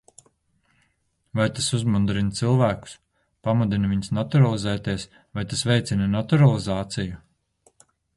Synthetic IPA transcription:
vajt̪asuzmund̪ɾint̪silˠvæːku̥s | pamud̪inviɲsnat̪uɾalˠizɛːt̪iɛs | vajt̪asvɛjt̪sinɐnat̪uɾalˠizaːt̪siju

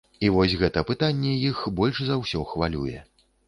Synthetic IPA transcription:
ivɔsʲɣɛt̪ɐpɨt̪anʲːɛjixbɔlʲʂzawsʲɔxvalʲṵjɛ̰

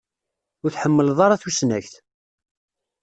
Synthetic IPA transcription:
ʊɾθħəmːəlðˤɑɾˤɑθusnæçθ

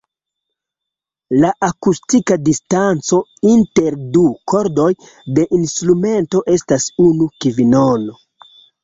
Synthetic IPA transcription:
laʔakustikadistant͡so̞inte̞ɾdukʰo̞ɾdo̞j | de̞ʔinstɾume̞nto̞ʔe̞stasunukivino̞no̞

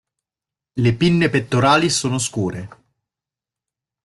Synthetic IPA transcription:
lepinːepet̪ːoɾaːlisoːnos̬kuːɾe

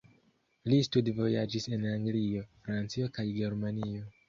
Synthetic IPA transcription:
listudvo̞jad͡ʒise̞naŋɡlio̞fɾant͡sio̞kajɡe̞ɾmanio̞

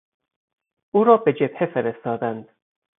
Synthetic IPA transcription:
ʔuːɾɒːbe̞d͡ʒebhefeɾest̪ɒːd̪ænd̪̥

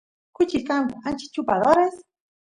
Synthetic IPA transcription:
kʊt͡ʃikand̪aant͡ʃi̥t͡ʃupaðoɾes

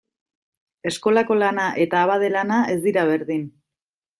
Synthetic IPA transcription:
e̞sko̞lako̞lanaʔe̞t̪aːβað̞e̞lanae̞zd̪iɾaβ̞e̞ɾðin

